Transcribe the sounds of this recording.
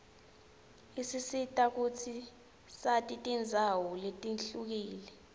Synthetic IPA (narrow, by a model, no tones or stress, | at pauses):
isisitʼak̬ut͡sʰi | satʼitʼind͡zʱawɔletʼinɬuk̬iːlɛ